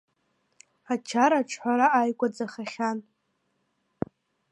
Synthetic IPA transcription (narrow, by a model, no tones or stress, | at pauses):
at͡ʃʰaɾaʈ͡ʂʰħʷaɾaajkʷʼad͡zaχaχʲan